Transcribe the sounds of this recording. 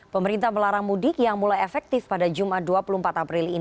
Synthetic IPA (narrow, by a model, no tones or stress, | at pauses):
pəməɾint̪aməlaɾaŋmudɪkjaŋmulajefɛk̚t̪ɪfpadad͡ʒumahduapuluhmpat̪apɾɪlin